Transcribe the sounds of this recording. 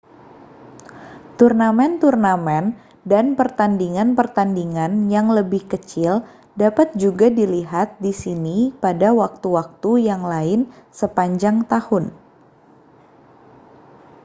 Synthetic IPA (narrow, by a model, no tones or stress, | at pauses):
t̪urnamɛnt̪urnamɛn | danpərt̪andiŋanpərt̪andiŋanjaŋləbɪhkət͡ʃɪl | dapat̪̚d͡ʒuɡadiliɦat̪̚disinipadawak̚t̪uwak̚t̪ujaŋlaɪnsəpaɲd͡ʒaŋt̪ahʊn